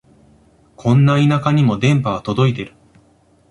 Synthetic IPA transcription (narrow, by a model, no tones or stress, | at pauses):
kʰõ̞nːainakaɲ̟imo̞d̪ẽ̞mpaβat̪o̞d̪o̞it̪̬e̞ɾɯ̟